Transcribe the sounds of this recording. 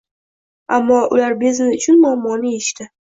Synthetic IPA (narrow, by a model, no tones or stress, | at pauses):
amːɒʔʊ̰laɾbe̞zɪnɪʊt͡ʃʰʊnmʊamːɒnɪe̞ʃt̪ɪ